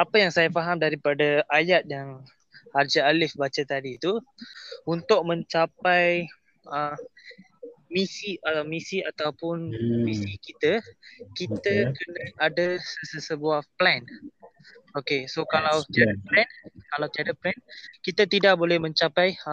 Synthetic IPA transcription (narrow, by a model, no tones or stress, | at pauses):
apəjaŋsajafaɦamdaɾipadəʔajat̪̚jaŋ | hard͡ʒəalɪfbat͡ʃət̪adit̪u | unt̪ʊk̚mə̃ɲt͡ʃapaj | ə | misiamisiat̪awpʊnmisikit̪əkit̪əkənaʔadəsəsəsəbuahplɛn | okesokalawt̪iadaplɛnkalawt̪iadaplɛnkit̪at̪idaʔ̚bolɛhmə̃ɲt͡ʃapaj